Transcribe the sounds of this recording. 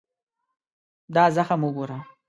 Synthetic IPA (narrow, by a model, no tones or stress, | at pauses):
d̪ɑzaxamʊɡoɾa